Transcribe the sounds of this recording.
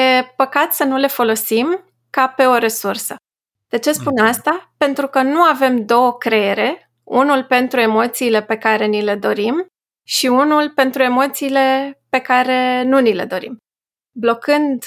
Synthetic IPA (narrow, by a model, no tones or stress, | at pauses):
je̞pəkat̪sənule̞fo̞lo̞sim | kape̞o̞ɾe̞sursə | d̪̥e̞t͡ʃe̞spunast̪ape̞nt̪ɾukənuave̞md̪o̞wəkɾe̞eɾe̞ | unulpe̞nt̪ɾue̞mo̞t̪siːle̞pe̞kaɾe̞nile̞d̪o̞ɾim | ʃiunulpe̞nt̪ɾue̞mo̞t̪siːle̞pe̞kaɾe̞nunile̞̰d̪o̞ɾḭm | blo̞kɨnd̪